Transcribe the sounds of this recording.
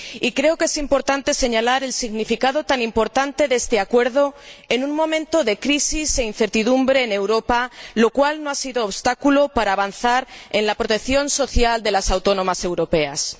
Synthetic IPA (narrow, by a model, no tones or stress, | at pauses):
ikɾe̞oke̞simpo̞ɾt̪ant̪e̞se̞ɲalaɾe̞lsiɣnifikað̞o̞t̪anĩmpo̞ɾt̪ant̪e̞ðe̞st̪e̞akwe̞ɾð̞o̞e̞nũŋmõ̞mẽ̞nt̪o̞ðe̞kɾisise̞inθe̞ɾt̪iðumbɾeːne̞wɾo̞palo̞kwalnoasiðo̞ːβst̪akulo̞paɾaːβ̞anθaɾe̞nlapɾo̞t̪e̞kθjo̞nso̞θjald̪e̞lasawt̪o̞nõ̞mase̞wɾo̞pe̞a̰s